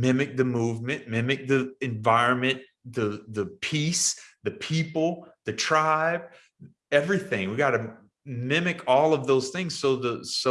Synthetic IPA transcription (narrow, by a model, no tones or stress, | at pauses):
mɪ̃mɨk̚ðɨmuvmɨ̃nmɪ̃mɨk̚ðiɨ̃ɱvaɪɹɨ̃nmɨ̃n | ðɨðɨpʰisðɨpʰipl̩ˠðɨtʰɹ̥aɪb̥̚ | ɛvɹiθɪ̃ŋwiɡɑɾɨ | mɪ̃mɨkʰɔlˠʌvðoʊz̥θɪ̃ŋz̥soʊðəso